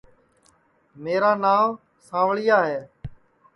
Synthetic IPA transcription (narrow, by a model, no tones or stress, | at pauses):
meːɾaːnaːʋ | sãːʋɭɪjaːɦeː